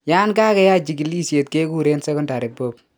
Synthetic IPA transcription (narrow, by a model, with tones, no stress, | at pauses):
ja˦nkaː˦kɛ˦ja˦t͡ʃi˨ki˦li˦sje˨t̚ke˦ku˦ɾe˦nsɛ˦kʊ˦nda˨ɾe˨bo˦p̚